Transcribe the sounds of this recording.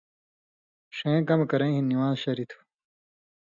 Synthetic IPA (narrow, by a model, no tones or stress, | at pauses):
ʂẽːkɐmkɐɾɐ̃ĩɦinːiwãːzɕɐɾit̪ʰu̥